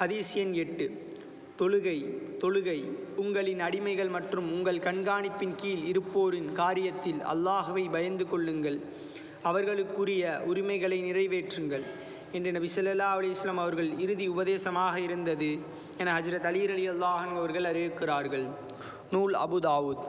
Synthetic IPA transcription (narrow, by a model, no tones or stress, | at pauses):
xɐðiːsɪjɐnɛʈːɯ | t̪ɔɻɯɣɐɪt̪ɔɻɯɣɐɪʊŋɡɐɭɪnɐɽɪmɐɪɣɐɭmɐʈrɯmʊŋɡɐɭkɐɳɡaːɳɪpːɪnkiːlɪɾɯpːoːɾɪnkaːɾɪjɐt̪ːɪlɐ̰lːaːɦɯʋɐɪbɐjɐnd̪ɯkɔɭːɯŋɡɐɭ | ɐʋɐɾɣɐɭɯkːɯrɪjɐʔʊɾɪmɐɪɣɐɭɐɪnɪrɐɪʋeːʈrɯŋɡɐɭ | ɛndrɯnɐbɪsɐlːɐlːaːɐlɐjɐsɐlːɐmɐʋɐɾɣɐɭɪɾɯðiʊbɐðeːsɐmaːɣɐɪɾɯnd̪ɐðɯ | ɛnɐɦɐd͡ʒɾɐt̪ɐliːɾɐðɪjɐlːaːɦɐnɡɐʋɐɾɣɐɭɐɾɪjɯkːɪraːɾɣɐɭ | nuːɭɐ̰bud̪aːʋuːd̪